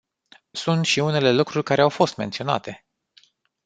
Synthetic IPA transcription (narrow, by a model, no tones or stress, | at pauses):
sunt̪ʃiune̞le̞lukɾurʲkaɾe̞awfo̞st̪me̞nt̪sio̞na̰t̪e̞